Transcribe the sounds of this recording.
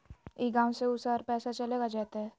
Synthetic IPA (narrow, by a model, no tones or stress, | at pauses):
iɡãːwseʊsaːɾpɛːsat͡ʃɐleːɡad͡ʒaːt̪aɦɛː